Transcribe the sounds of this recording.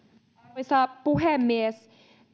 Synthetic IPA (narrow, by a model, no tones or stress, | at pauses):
sapuɦɛmːes